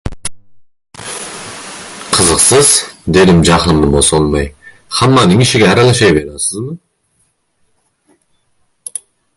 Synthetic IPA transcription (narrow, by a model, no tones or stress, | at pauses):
qʰəzəqsɯz̥d̪e̞d̪imd͡ʒɑqɯnːɯbosonmɑj | hɑmːɑnɯŋiʃiɡʲeɑɾɑlˠɑʃɑjbeɾɑsəzmɯ